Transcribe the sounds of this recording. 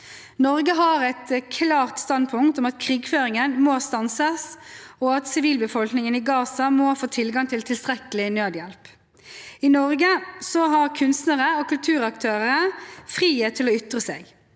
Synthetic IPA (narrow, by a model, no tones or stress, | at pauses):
nɔʁɡəɦɑʁɛt̪kʰlɑːʁt̪st̪ɑnd̪̚pʰʊŋkt̪ɔmɑt̪kʰʁiːɡføːʁɪŋənmoːst̪ɑnsəsɔɑt̪sɪʋiːlbəfɔlknɪŋəniːɡɑːsɑmoːfoːt̪ʰɪlɡɑŋt̪ʰɪlt̪ʰɪlst̪ʁɛkəlɪnøːd̪jɛlp | ɪnɔʁɡəsɔɦɑʁkʰʉnst̪nəʁəokʰʉlt̪ʰʉːʁɑkt̪ʰøːʁəəfʁiːət̪ʰɪlɔʏt̪ʁəsḛːɡ